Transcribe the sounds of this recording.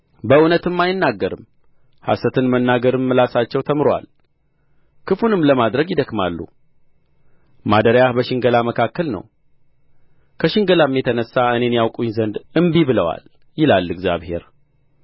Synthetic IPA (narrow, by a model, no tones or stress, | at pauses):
bəunət̪ɨmːajɪnːaɡːəɾɨm | ha̰sət̪ʰɨnmənːaɡəɾɨmːɨlasat͡ʃːɛwt̪ʰəmɨɾwa̰l | kʰɨfunɨmləmad̪ɾəɡjɪd̪əkmalːṵ | mad̪əɾjahbəʃɪŋɡəlaməkʰakːəlnə̰w | kʰəʃɪŋɡəlamjɛt̪ʰənəsːaɨne̞njawkʼuɲzənd̪ɨmbiβɨləwa̰l | jɪlalːɨɡzja̰βhe̞̰ɾ